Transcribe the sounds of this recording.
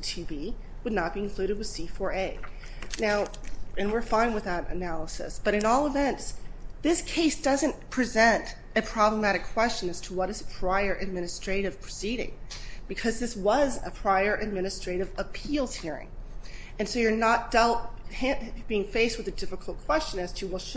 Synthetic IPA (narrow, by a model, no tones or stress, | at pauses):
tʰʉbi | wədⁿnət̚b̥iɨ̃nkʰl̥ʉɾɨd̚wɨð̥sifɔɹeɪ | naʊɨ̃nwɪɹfãɪ̃nwɨðəɾɨ̰nælˠəsɨ̰sb̥ʌɾɨ̃nɔlˠəvɛ̃ntsðɪskʰeɪsd̥ʌzɨ̃ntpʰɹ̥izɛ̃nt | ɨpʰɹ̥ɑbləmæɾɨkʰw̥ɛst͡ʃɨ̃nɨz̥tʰəwʌɾɨz̥pʰɹ̥aɪə˞ʔɨd̚mɪ̃ñɨstɹ̥eɪɾɨv̥pʰɹ̥ɨsiɾɪ̰̃ŋb̥ɨkʰʌzðɪswʌzɨ̰pʰɹ̥aɪə˞ʔɨd̚mɪ̃nɨstɹ̥eɪɾɨvəpʰilˠz̥hiɹɪ̰̃ŋ | ɨ̃nsoʊjə˞nət̚d̥ɛlˠt̚hʰæ̃nb̥iɪ̃ŋfeɪst̚wɨðɨdɪfəkʰl̩ˠt̚kʰw̥ɛst͡ʃɨ̃nɨz̥tʰɨwlˠʃ